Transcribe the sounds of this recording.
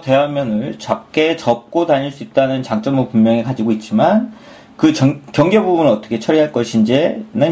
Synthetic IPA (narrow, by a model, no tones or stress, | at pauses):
te̞wamjʌnɯɭt͡ɕak͈e̞t͡ɕʌp̚k͈otaɲiɭs͈uit̚t͈anɯnt͡ɕaŋt͡ɕ͈ʌmpummjʌŋikad͡ʑiɡoit̚t͡ɕ͈iman | kɯkjʌŋɡe̞bubunɯɭʌt͈ʌ̥kʰe̞t͡ɕʰʌɾiɦaɭk͈ʌɕʰind͡ʑenɯ